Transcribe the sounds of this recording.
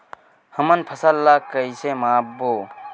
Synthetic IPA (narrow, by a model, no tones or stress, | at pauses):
hɐmɐnpʰɐsalːaːkɐisemaːboː